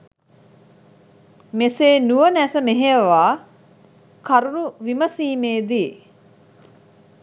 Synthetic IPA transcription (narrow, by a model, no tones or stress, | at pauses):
meseːnuʋənæsəmeɦeəʋaː | kaɾunuʋiməsiːmeːd̪i